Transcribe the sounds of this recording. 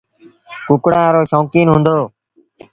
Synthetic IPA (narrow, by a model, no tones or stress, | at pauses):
kʊkɽaːãːɾoːʃɔːkiːnɦʊ̃ːnd̪oː